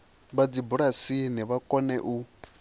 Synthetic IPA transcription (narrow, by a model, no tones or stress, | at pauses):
βad͡zibuɺasiniβakʼɔnɛʔu